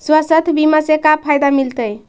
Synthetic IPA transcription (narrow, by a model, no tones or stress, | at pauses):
swəsət̪ʰbimasekapʰajd̪amilt̪əj